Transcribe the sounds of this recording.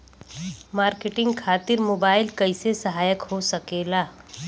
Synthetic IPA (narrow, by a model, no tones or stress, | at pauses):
maːɾkeʈɪ̃ŋɡkʰaːt̪ɪɾmoːbaːɪlkɐɪsesɐɦaːjəkhosɐkeːlaː